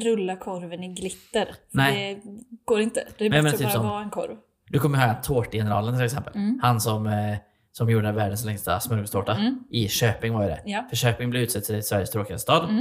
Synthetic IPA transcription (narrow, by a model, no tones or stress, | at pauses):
ɾɵlːakʰɔɾvənɪɡlɪt̪ːəɾnɛɛɡ̥oːɾɪnt̪əd̪ɛɛɛnjɑmennt̪yːpsɔmɛnkʰɔ̰ɾv | d̪ɵkʰɔmːəjhɑːɡat̪ʰoːʈjɛnəɾɑ̰ːlənt̪ɪlɛksɛmpə̰lhansɔm | sɔmjuːɖəvæːɖəns̬lɛŋst̪a̰smɵɾɡəst̪oːʈaʔɪʃøːpɪŋvaɾjəd̪ɛ̰jfœʂøːpɪŋblɛɾʉ̟t̪sɛt̪ːsɛsvæɾjəst̪ʰɾoːkɪa̰d̪st̪ʰɑːd̪